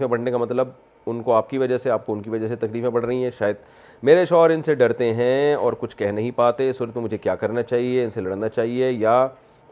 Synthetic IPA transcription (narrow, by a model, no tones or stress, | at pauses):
ẽbɐɽnekamɐt̪ləb̚ | ʊnkoaːp̚kiʋɐd͡ʒəseaːp̚koʊnkiʋɐd͡ʒəset̪ɐkliːfmẽbɐɽ̤ɾɐɦĩɦɛ̃ʃaːjəd̪̚ | meːɾeʃɔːɾɪnseɖɐɾt̪eɦɛ̃ɔːɾkʊt͡ʃʰkɛɦnɐɦĩpaːt̪eɪsːuːɾət̪mẽmʊd͡ʒʱekjaːkɐɾnat͡ʃaːɦieɪnselɐɽnat͡ʃaːɦieja